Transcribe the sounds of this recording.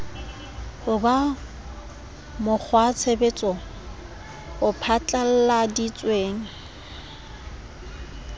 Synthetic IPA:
hʊba | mʊk͡xʰwat͡sʰebet͡sʼɔ | ʊpʰat͡ɬʼal̩ladit͡sʼweːŋ̩

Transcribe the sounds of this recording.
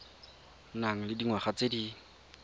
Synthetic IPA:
naŋ̩lɪdiŋwaχat͡sedi

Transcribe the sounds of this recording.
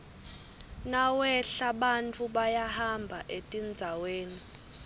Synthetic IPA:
nawɛɬaɓant͡fʰʼuɓajahambʱaʔetʼind͡zʱaweːni

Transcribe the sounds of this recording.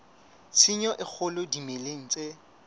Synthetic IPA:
sʰɪɲɔʔɪk͡xʰʊlʊdimeleŋ̩t͡sʼe

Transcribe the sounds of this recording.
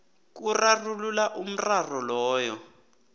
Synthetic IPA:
k̬urarululaʔum̩rarɔlɔːjɔ

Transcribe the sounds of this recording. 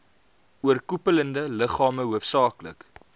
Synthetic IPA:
uərkupələndələχɑːməɦuəfsɑːklə̰k

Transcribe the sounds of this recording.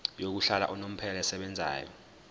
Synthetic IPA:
jok̬uɬala̰ʔɔnom̩pʰɛlaɛsɛɓɛnd͡zʱa̰ːjɔ̰

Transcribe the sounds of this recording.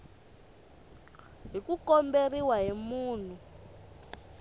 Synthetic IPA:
ɦikukɔmberiwaɦimuːn̤u

